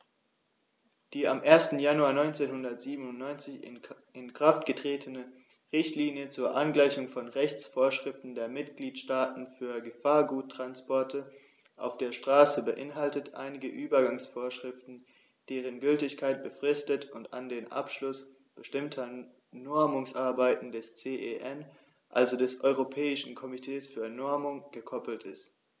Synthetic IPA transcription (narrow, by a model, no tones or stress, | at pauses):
d̥iːamʔeːɐstn̩januaːɐnɔʏnt͡seːnhʊndɐtz̥iːbənʊntnɔʏnt͡sɪçɪ̰ | ɪnkʁ̥aftɡ̥ətʁ̥eːtʰənə | ʁɪçtliːnjət͡suːɐʔanɡlaɪçʊŋfɔnʁɛçt͡sfoːɐʃʁ̥ɪftn̩deːɐmɪtɡ̥liːtʃtaːtn̩fyːɐɡəfaːɐɡuːtʰːʁ̥anspɔɐtʰə | ʔa̰ʊfd̥eːɐʃtʁ̥aːsəbəʔɪnɦaltətʔa̰ɪnɪɡəʔyːbɐɡaŋsfoːɐʃʁ̥ɪftn̩ | d̥eːʁ̞ənɡʏltɪçkʰaɪt̚b̥əfʁ̥ɪstətʊntandeːnʔa̰pʃlʊs | b̥əʃtɪmtʰɐ | nɔɐmʊŋsʔaɐbaɪtn̩dɛst͡seːʔeʔɛn | ʔa̰lzodɛsʔɔʏʁopʰɛːɪʃn̩kʰɔmitʰeːsfyːɐnɔɐmʊŋɡ̥əkʰɔpl̩tɪ̰st